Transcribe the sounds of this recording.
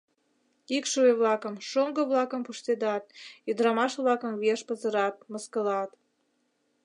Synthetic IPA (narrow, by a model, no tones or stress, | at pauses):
ikʃoeβlɑkəmʃoŋɡəβlɑkə̆mpuʃt̪ed̪ɑt̪̚jəd̪ɾɑmɑʃβlɑkəmβeʃpəzə̆ɾɑt̪̚məskəlɑt̪